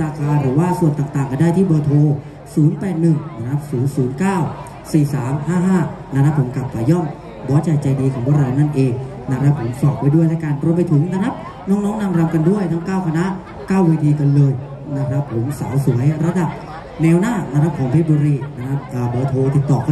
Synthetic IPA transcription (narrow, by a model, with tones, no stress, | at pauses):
ɾaː˧kʰaː˧ɾɯː˩˦waː˥˩su˨˩ənt̪aː˨˩ŋt̪aː˨˩ŋka˧daː˥˩jt̪ʰiː˥˩bɤː˧t̪ʰoː˧ | suː˩˦npɛː˨˩t̪̚nɯ˨˩ŋna˦˥kɾa˦˥p̚suː˩˦nsuː˩˦nkaː˥˩w | siː˨˩saː˩˦mhaː˥˩ɦaː˥˩na˦˥kɾa˦˥pʰːo˩˦mkla˨˩p̚kaː˨˩jɔ˥˩m | bɔː˨˦˥t͡ɕa˨˩t͡ɕa˧jdiː˧kʰɔː˩˦bʰwaː˧˥˩ɾa˧wna˥˩nʔeː˧ŋ | na˦˥kʰɾa˦˥pʰːo˨˩˦msɔː˨˩p̚pa˧jdu˥˩jt̪ʰa˦˥˩ka˧nɾo˧np̬a˧jt̪ʰɯ˨˩˦ŋna˦˥kʰɾa˦˥p̚ | nɔː˦˥ŋnɔː˦˥ŋna˧mɾa˧mka˧ndu˥˩əjt̪ʰa˦˥ŋkaː˥˩wkʰa˧na˦˥ | kaː˥˩weː˧t̪ʰiː˧ka˧nlɤː˧j | na˦˥kʰɾa˦˥pʰːo˩˦msa̰˩˦wsu˩˦əjɾa˧˥da˨˩p̚ | nɛː˧wnaː˥˩na˦˥kʰɾa˦˥p̚kʰɔː˩˦ŋt̪ʰeː˦˥˩t̚buː˧ɾiː˧na˦˥kɾa˦˥p̚ʔəː˨˩bɤː˧t̪ʰoː˧t̪i˨˩t̪ːɔː˨˩kʰː